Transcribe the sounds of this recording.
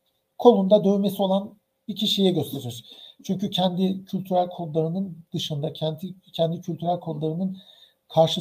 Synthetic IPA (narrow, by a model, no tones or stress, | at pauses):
kʰo̞nˠumd̪ad̪ø̞yme̞sio̞lˠan | bicʰiʃijɛɟø̞st̪ʰe̞ɾiɾ̥t͡ʃʰyɲcycʰɛnd̪ɪcʰylʲt̪ʰyɾælʲkʰollˠaɾɯnɯnd̪̥ɯʃɯnd̪acʰɛnt̪ʰicʰɛnd̪icʰylʲt̪ʰyɾælʲkʰo̞lˠaɾɯnɯn | kʰaɾʃɯ